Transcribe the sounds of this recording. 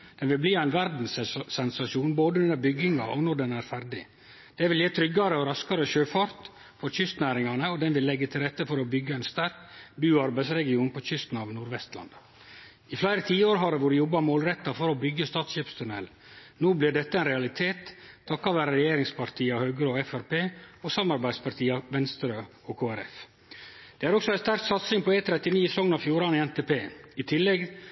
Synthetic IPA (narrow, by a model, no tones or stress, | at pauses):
d̪̥ɛnʋɪlbliːæɪnʋæɾd̪n̩ssɛnsɑʃuːnboːd̪əʉnəɾbʏɡɪŋɑʔɔnɔɖɛnæɾfæɾɖɪ̰ | d̪̥ɛʋɪljeːt̪ʰɾʏɡɑɾəɔɾɑskɑɾəʃøːfɑɾt̪ | fɔɾçʏst̪næːɾɪŋɑnəɔd̪ɛnʋɪlːɛɡːət̪ʰɪlɾɛt̪ːəfɔɾɔbʏɡːəæɪnst̪æɾkbʉːɑɾbæɪsɾɛɡɪuːnpʰɔçʏst̪n̩ɑʋnuːɾʋɛst̪lɑ̰n | ɪflæɪɾət̪ʰiːəoːɾɦɑɾɛʋʊɖɪjɔbːɑmoːlɾɛt̪ːɑfɔɾɔbʏɡːəst̪ɑːt̪sɕeːpst̪ʰʉnɛːl | noːblɪɖɛt̪ːəɛɪnɾɛɑlɪt̪ʰeːt̪ʰːɑkːɑʋæːɾəɾɛjeːɾɪŋspʰɑɾt̪ʰiːɑhœːɡɾɔːɛfæɾpeːɔsɑmɑɾbæɪd̪spɑɾʈt̪ʰiːɑʋɛnst̪ɾøː | okʰoːæɾɛ̰f | d̪̥ɛːæɾɔksɔæɪst̪æɾk̚t̪sɑt̪sɪŋpʰɔeːt̪ʰɾɛt̪ɪniːɛsɔŋnɑfjuːɾɑnɪɛnt̪eːpʰeːɪt̪ʰɪlːɛɡ